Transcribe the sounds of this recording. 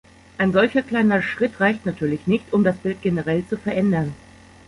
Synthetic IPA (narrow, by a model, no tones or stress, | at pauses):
ʔaɪnzɔlçɐkl̥aɪnɐʃʁ̥ɪtʁaɪçtnatʰyːɐlɪçnɪçtʊmdasb̥ɪlt̚ɡ̥enəʁɛlt͡sufɛɐʔɛndɐn